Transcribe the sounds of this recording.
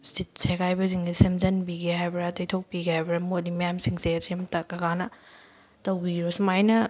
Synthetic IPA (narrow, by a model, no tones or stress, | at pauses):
sit̚sekʰajbɐs̬iŋdisimzɐnbiɡeɦajbɾatɐjtʰok̚piɡehajbɾamodimɐjamsiŋseɐzimtɐkɐɡanɐ | tɐwbiɾosimajnɐ